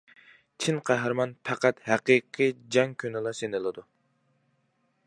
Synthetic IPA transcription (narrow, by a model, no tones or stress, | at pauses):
t͡ʃʰinqʰæɦɾmɑnpʰæqæt̪hæqiqʰɨd͡ʒɑŋkʲʰynɪlˠɑsenɨlˠɨd̪u